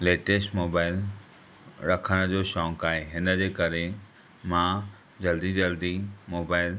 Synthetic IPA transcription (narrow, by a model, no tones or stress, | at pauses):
leːʈeːsʈmoːbaːɪl | ɾɐkʰəɽ̃ə̆d͡ʑoːʃɔ̃ːŋkaːɦeɦɪnə̆d͡ʑeːkɐɾe | mã | d͡ʑɐld̪id͡ʑɐld̪imoːbaːɪl